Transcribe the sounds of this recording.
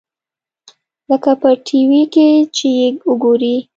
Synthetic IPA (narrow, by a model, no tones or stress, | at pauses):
ləkapəʈʰiwiket͡ʃejeʊɡoɾi